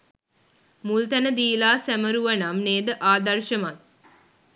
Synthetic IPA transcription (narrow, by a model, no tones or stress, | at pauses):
mult̪ænəd̪iːlaːsæməɾuʋənamneːd̪əʔaːd̪ɐrʃəman